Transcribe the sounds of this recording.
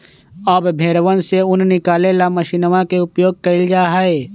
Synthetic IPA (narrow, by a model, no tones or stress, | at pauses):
ɔːbbʱeːɾʋənseʊnnɪkaːleːlamɐʃiːnʋãkeʊpjoːɡ̚kɐɪld͡ʒaːɦeː